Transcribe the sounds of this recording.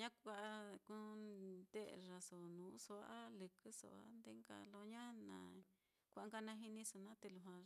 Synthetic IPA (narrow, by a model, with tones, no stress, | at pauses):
ɲã˦kʷa˧ku˧˦d̪e˦˨ʐa˨so˨nũː˨˦so˧˦a˦lɨ˨kɨ˦so̰˧˨a̰˧nd̪e˦ŋka̰˧lo˧ɲã˦nã̰˨˧ | kʷʔa˧ŋɡa˧nã˧ɦi˧nĩ˧so˧nã˦t̪e˧lu˧ɦã˧